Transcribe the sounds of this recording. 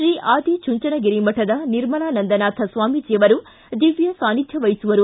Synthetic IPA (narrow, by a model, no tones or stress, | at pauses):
ʃɾiːʔaːd̪ʱit͡ʃuɲt͡ʃɐnɐɡeɾimɐʈɐd̪ɐniɾmɐɳaːnɐnd̪ɐnaːt̪ʰɐsʋaːmid͡ʒijɐʋɐɾu | d̪iʋjɐsaːnid̪ʱjɐʋɐjisuʋɐɾu